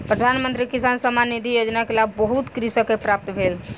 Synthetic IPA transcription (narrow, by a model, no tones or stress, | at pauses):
pɾəd̪ʱanmənt̪ɾikisansəmanid̪ʱijod͡ʒnakelabbəɦut̪kɾisəkepɾap̚t̪bʱel